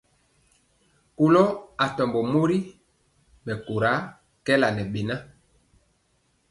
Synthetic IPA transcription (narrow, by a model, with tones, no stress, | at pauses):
ko˦lɔ˦a˨tɔ˨mbɔ˨mo˦ɾi˦ | mɛ˨ko˨ɾa˨˦ | kɛ˦la˨nɛ˨ɓe˨na˦